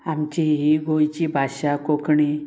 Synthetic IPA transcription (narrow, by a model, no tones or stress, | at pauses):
amt͡ɕiɦiɡojt͡ɕibʱaɕakokɳi